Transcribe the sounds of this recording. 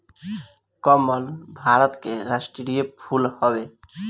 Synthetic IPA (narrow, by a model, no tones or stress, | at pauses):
kɔməlbʱaɾət̪keɾasʈɾiɾijəpʰulhɔbe